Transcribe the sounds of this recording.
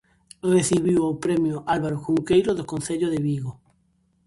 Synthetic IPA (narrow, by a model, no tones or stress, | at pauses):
reθiβiwawpɾemjoʔalβaɾoxuŋkejɾoðokõnθeʎoðeβiɣo